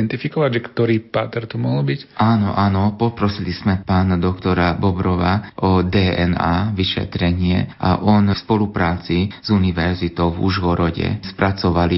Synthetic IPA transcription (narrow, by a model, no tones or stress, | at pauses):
nt̪ifikɔʋaɟʒɛkt̪ɔɾiːpaːt̪ɛɾt̪ɔmɔɦɔlbicaːnɔ̰ʔaːnɔpɔpɾɔsiliz̥mɛpaːnad̪ɔkt̪ɔɾabɔbɾɔʋaʔɔd̪ɛːɛnaːʋiʃɛ̰t̪ɾɛɲɪɛ̰ʔa̰ʔɔnfspɔlupɾaːt͡siz̥uniʋɛɾzit̪ɔʊvṵʒɣɔɾɔɟɛ̰spɾʔat͡sɔʋali